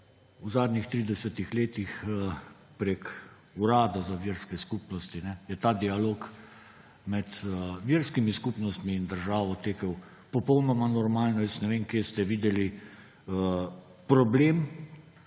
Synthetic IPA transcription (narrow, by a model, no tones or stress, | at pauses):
uzaːd̪nixt̪ɾiːd̪ɛsɛt̪ixleːt̪ix | pɾek | uɾaːd̪azaʋiːɾskɛskuːpnɔst̪inɛjɛt̪aːd̪ialoːk | mɛt̪əʋiːɾskimiskupnɔst̪miːnd̪əɾʒaːʋɔt̪eːkəw | pɔpɔwnɔmanɔɾmaːlnɔjɛst̪nɛʋeːnkjest̪ɛʋiːd̪ɛli | ə | pɾɔbleːm